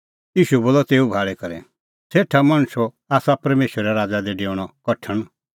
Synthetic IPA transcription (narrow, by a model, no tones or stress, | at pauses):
iːʃuɛboːlɔt̪eːubʱaːɭɛkɐɾɛ | seːʈʰamaɽ̃ʊsɔ | aːsapɐɾmeːʃəɾɛɾaːd͡zad̪eɖeːʊɽ̃ɔkɔʈʰəɽ̃